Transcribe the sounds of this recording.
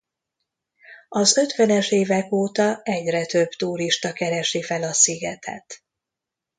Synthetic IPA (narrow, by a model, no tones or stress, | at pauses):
ɒzø̞t̪ʋɛnɛʃeːvɛkoːt̪ɒɛɟrɛt̪ø̞b̥t̪uːɾiʃt̪ɒkɛɾɛʃifɛlɒsiɡɛt̪ʰɛ̰t̪